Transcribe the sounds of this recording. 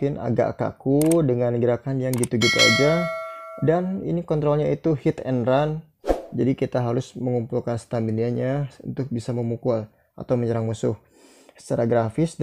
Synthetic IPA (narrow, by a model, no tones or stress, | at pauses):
kɪna̰ɡa̰ʔka̰kudəŋanəɡəɾakanjaŋɡit̪uɡit̪ua̰d͡ʒa | danḭnikɔnt̪ɾɔlɲait̪uhɪt̪ɛ̰nɾan | d͡ʒadikit̪aɦaɾʊsməŋumpulkanst̪ambiniaɲaṵnt̪ʊk̚bisaməmukul | ʔa̰t̪awməɲəɾaŋmusʊh | sə̥t͡ʃaɾaɡɾafɪs